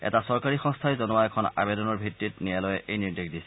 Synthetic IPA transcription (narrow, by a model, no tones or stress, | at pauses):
ɛ̰tasɔɹkaɹixɔ̃ŋstʰajzɔnʊaɛkʰɔna̰bedɔnɔɹbʱitːit̚nijalɔjɛʔejniɹdikdisɛ̥